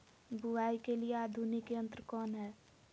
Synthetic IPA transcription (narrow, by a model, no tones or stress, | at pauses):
buwaːikelijeaːd̪ʱunikeə̃nt̪ɾəkɔːnɦɛː